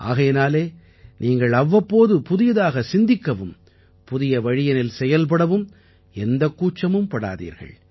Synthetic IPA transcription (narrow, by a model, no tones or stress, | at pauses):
ʔa̰ːɣɐjɪnaːleː | nʔiːŋɡɐɭɐʋːɐpːoːðɯpʊðɪjɐðaːɣɐsɪnd̪ɪkːɐʋɯm | pʊðɪjɐʋɐɻɪjɐnɪlsɛjɐlp̬ɐɽɐʋɯm | ɛnd̪ɐkːuːt͡ʃːɐmɯmpɐɽa̰ːðḭːɾɣɐ̰ɭ